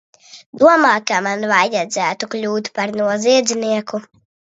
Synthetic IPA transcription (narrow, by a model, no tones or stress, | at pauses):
d̪uɔmaːkamanvajad̪zæːt̪uklʲuːt̪paɾnuɔziɛd̪zʲniɛku